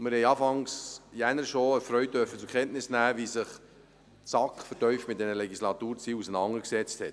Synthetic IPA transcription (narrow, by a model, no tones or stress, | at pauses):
mɪɾhɛɪɑːfɑŋsjænəɾʃoəfɾœʏtd̥øɾfət͡sukʰχɛntnɪsnæːʋisɪχ | sɑkχfəɾtœʏfmɪt̚dɛnəlɛɡislɑt̪uːɾt͡siːusənɑŋəksɛt͡sthɛt